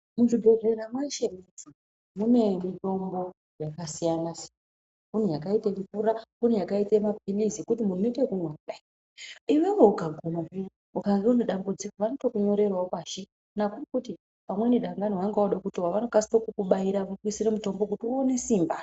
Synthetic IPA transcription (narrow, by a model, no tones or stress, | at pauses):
muʐidʱoʐeɾamwaiʃe̞med͡zi | mune̞mito̞mbo̞ | jakasijanasi̥ | unujakaitemfuɾaunujakaitamabʱilizikutimun̤unoitekumwaɗa | iwe̞wo̞ukaɡʱonakua | ukaŋɡeuneɗambud͡zikoʋanoto̞kuɲo̞ɾe̞rwaokaːʃi | nakurikuti | pamwe̞niɗaŋɡanowaŋɡaoɗakutowaʋano̞kasitokukuɓaiɾaʋokwisiremuto̞mbo̞kutiuone̞siːmba